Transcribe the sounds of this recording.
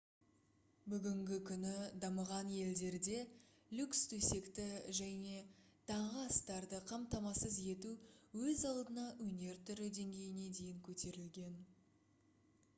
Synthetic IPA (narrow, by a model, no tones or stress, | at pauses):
bʏɡʲɪŋɡʲɪkʲʰʏnɪd̪ɑməʁɑnje̞ld̪e̞ɾd̪e̞ | lʲukst̪ʰɵse̞kt̪ɪʒæne̞ | t̪ʰɑɴʁəɑst̪ɑɾd̪əqʰɑmt̪ɑmɑsəze̞t̪uwɵzɑlˠd̪ənɑʔwɵne̞ɾt̪ʰʏɾɪd̪e̞ŋɡʲe̞jɪne̞d̪e̞jɪŋkʲʰɵt̪e̞ɾɪlɡʲe̞n